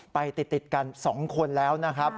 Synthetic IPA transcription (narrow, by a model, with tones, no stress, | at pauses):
pa˧jt̪i˨˩t̪ːi˨˩t̪̚ka˧nsɔː˩˦ŋkʰo˧nlɛː˦˥wna˦˥kʰɾa˦˥p̚